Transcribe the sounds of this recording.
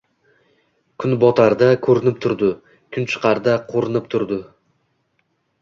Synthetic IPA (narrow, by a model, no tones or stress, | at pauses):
kʲʰʊnbɒt̪ʰaɾd̪akʰɵɾɪnɪp̚t̪ʰʊɾd̪ɪ | kʰʊnt͡ʃʰɨ̥qʰɑɾd̪aqʰoɾɪnɪp̚t̪ʰʊɾd̪ɪ